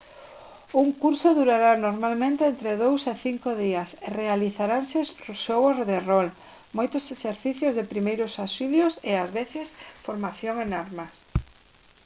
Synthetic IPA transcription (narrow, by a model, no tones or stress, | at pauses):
uŋkuɾsoðuɾaɾanoɾmalmẽnt̪eent̪ɾeðowseθiŋkoðiɐserealiθaɾansespɾoʃowozðerol | mojt̪ʊseseɾθiθjʊzðepɾimejɾʊsasiβjoseazβeθɪsfoɾmaθjoŋenaɾmas